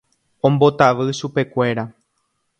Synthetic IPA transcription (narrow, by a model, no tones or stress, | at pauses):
õ̞mbo̞t̪aʋɨʃupe̞kʷe̞ɾa